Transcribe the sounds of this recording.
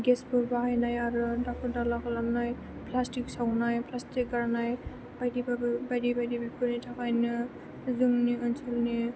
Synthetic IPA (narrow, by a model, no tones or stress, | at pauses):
ɡɛsbɯɾbaɦajnajaɾudak̚tɔɾdalakalamnaj | plasʈiksawnajplasʈik̚ɡaɾnaj | bajdibbajdibajdibikʰunitʰakajnɯ | zuŋniɯnsʰɔlni